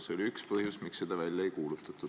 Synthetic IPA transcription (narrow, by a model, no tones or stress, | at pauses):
seolʲiykspɤhjusmiksːed̪̥ɑvælʲjɑejkuːlut̪ːˑɑt̪ːˑu̥